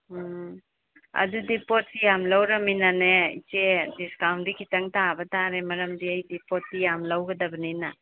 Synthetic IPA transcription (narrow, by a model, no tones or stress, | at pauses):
ɐ̰dudipɔt̚sijamlawɾɐminaneḭt͡ʃediskawndikʰitɐŋtabɐtaɾemɐɾɐmdiɐjdipɔt̚tijamlawɡɐdɐbɐnina